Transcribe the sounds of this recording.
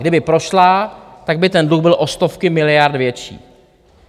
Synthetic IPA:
dɪbɪpɾo̞ʃlat̪aɡ̚bɪt̪ɛndluxbɪlʔo̞st̪o̞fkɪmɪlɪjaɾd̪vjɛt͡ʃḭː

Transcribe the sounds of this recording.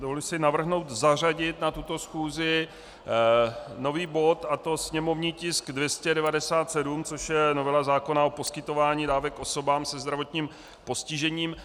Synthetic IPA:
dovolɪsɪnavr̩ɦno̞wt̪zar̝aɟɪt̪nat̪ut̪o̞sxuːzɪ | no̞viːbo̞t̪at̪o̞sɲɛmo̞vɲiːcɪskdvjɛscɛdɛvadɛsaːt̪sɛdumt͡so̞ʃjɛnovɛlazaːko̞nao̞po̞skɪt̪o̞vaːɲiːdaːvɛkʔo̞so̞baːmsɛzd̪ɾavo̞t̪ɲiːm | po̞scɪʒɛɲiːm

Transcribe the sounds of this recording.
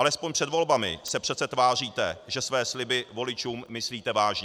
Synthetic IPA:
alɛspoɲpr̥ɛd̪vo̞lbamɪ̰sɛpr̥ɛt̪t͡sɛt̪vaːr̝iːt̪ɛʒɛsvɛːslɪbɪvo̞lɪt͡ʃuːmːɪsliːt̪ɛvaːʒɲɛ

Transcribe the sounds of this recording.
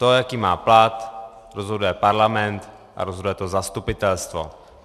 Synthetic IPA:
t̪ojakiːmaːplat̪ | ɾozɦodujɛpaɾlamɛnt̪ | ʔa̰ɾozɦodujɛt̪ozast̪upɪt̪ɛlst̪vo̰

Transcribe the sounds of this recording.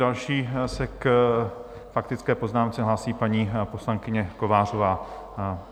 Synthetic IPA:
alʃiːsɛk | fak̚t̪ɪt͡skɛːpo̞znaːmt͡sɛɦlaːsiːpaɲiːpo̞slaŋkɪɲɛko̞vaːr̝o̞vaː

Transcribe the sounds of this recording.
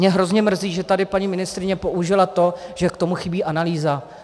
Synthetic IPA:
ɲɛɦɾo̞zɲɛmr̩ziːʒɛt̪adɪpaɲimɪnɪst̪ɾɪɲɛpo̞ʔuʒɪlat̪o̞ʒ̥ɛkt̪o̞muxɪbiːʔanaliːza

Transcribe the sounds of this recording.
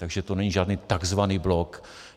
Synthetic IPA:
t̪aɡʒɛt̪onɛɲiʒaːdniːt̪aɡzvaniːblok

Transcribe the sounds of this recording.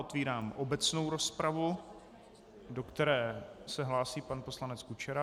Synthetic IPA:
ʔot̪viːɾaːmʔobɛt͡sno̞wɾo̞spɾavu | do̞kt̪ɛɾɛːsɛɦlaːsiːpanpo̞slanɛt͡skut͡ʃɛɾa

